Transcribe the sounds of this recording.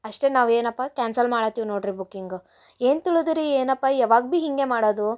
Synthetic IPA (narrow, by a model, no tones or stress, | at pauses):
ɐʂʈe̞naːʋe̞ːnɐpːakʲaːnsɐlmaːɽɐt̪ːiːʋnoːɽɾibukːiŋɡu | e̞ːnt̪iɭud̪iɾieːnɐpːaɛʋaːɡbiɦiŋɡe̞maːɽoːd̪u